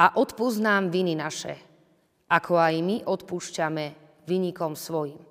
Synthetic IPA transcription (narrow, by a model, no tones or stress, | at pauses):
aʔɔt̪puznaːmʋininaʃɛ̰ | ʔakʰɔajmiʔɔt̪puʃcamɛ | ʋiɲikɔmsʋɔjim